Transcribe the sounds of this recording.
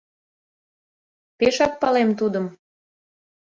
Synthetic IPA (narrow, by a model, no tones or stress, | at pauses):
peʃɑk̚pɑlemt̪ud̪ə̆m